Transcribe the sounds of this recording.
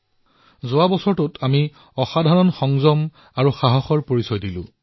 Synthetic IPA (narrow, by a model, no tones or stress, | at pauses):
zʊwabɔsɔɹtʊtʰami | ɔxadʱaɹɔnxɔŋzɔm | aɹuxaɦɔxɔɹpoɹisɔjdilʊ̰̃